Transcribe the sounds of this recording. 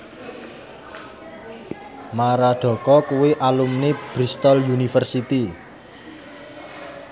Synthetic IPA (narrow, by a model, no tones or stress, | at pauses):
maɾaɖ̥ɔ̤kɔkuweʔalumneb̥ɾist̪ɔljunifərsit̪i